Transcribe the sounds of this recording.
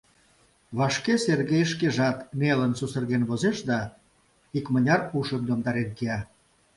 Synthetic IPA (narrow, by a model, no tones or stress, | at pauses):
βɑʃkeserɣejʃkeʒɑt̪melənsusərɣenβozeʃd̪ɑ | ikmə̆nʲɑruʃəmd̪omd̪ɑɾenkeɑ